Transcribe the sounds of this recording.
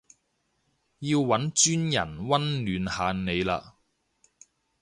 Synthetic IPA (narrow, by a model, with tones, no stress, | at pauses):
jiː˧wwɐ˨˥nt͡ʃyː˥njɐ̰˨˩nwɐ˥nlyː˨˧nhaː˨˧nne˨˧jla̰ː˧